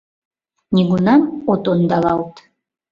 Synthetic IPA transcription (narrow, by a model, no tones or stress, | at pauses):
nʲiɡunɑnot̪ond̪ɑlˠɑlˠt̪